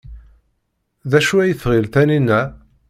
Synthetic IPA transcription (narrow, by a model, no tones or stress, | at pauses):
ðæʃuæjθʁilθæninːæ